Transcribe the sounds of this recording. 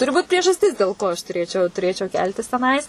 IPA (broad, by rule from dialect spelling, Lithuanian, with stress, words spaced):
ˈtʊrʲɪ ˈbuːt pʲrʲiɛʒɐsʲˈtʲɪs dʲeːlˠ ˈkoː ɐʃ tʊˈrʲeːt͡ʃʲɛʊ tʊˈrʲeːt͡ʃʲɛʊ ˈkʲɛlʲtʲɪs tʲɛˈnɐɪs